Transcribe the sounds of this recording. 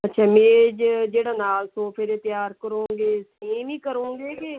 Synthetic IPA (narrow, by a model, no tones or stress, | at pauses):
ətːʃʰaːmẽːd͡ʒd͡ʒeːɽaːnaːlsoːpʰeːd̪eːt̪ɪjaːɾkəɾõːɡeːsiːmiːkəɾõːŋɡeːke